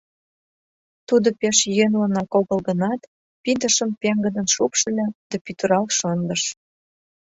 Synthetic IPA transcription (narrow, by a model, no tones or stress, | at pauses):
t̪ud̪ŏpeʃjønlənɑkolɣə̆lɣə̆nɑt̪ | pid̪ə̆ʃə̆mpeŋɡə̆d̪ə̆nʃupʃə̆lʲæd̪̥æpyt̪əɾɑlʃɤnd̪ə̆ʃ